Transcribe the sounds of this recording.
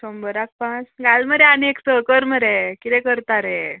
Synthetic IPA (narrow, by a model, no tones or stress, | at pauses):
sɔmbəɾak̚pãt͡sɡalməɾeanieksəkəɾməɾekit̪ɛ̃kəɾt̪aɾe